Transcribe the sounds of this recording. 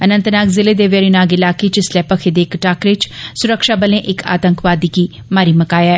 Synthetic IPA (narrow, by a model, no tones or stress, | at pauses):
ənə̃nt̪naːkzɪleːd̪eʋəɾinaːɡɪlaːket͡ʃɪslɛːpəkʰed̪eːkʈaːkɾɪt͡ʃsʊɾəkʃaːbəlẽʔɪkʰa̰ːt̪əŋkʋaːd̪iːkiː | maːɾiːməkaːjaɛː